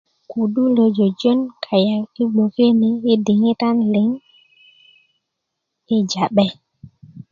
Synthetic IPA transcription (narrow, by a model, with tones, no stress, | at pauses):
ku˨ɗu˦lo˨d͡ʒo˨d͡ʒo˦nkʰa˨ja˨i˦ɡ͡bo˨ke˦ne˨e˦de˨ŋe˦ta˦nle˨˦ŋ | e˦d͡ʒa˨ɓɛ˦